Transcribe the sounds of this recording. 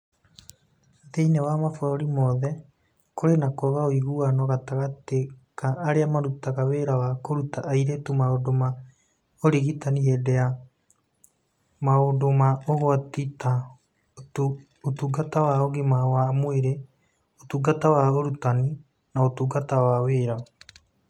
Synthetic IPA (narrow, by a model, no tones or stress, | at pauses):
ðeinɛwamafɾɔɾimɔðɛ | kʰoɾenakɔɣaoiɣuanɔɣataɣatekaːɾeamaɾutaɣaβeɾawakoɾutaʔːiɾetumaodoma | oɾiɣitaniɦedɛa | maodomaoɣoatita | otuɡatawaoɣemawamoeɾe | otuɡatawaoɾutani | naotuːɡatawaweːɾa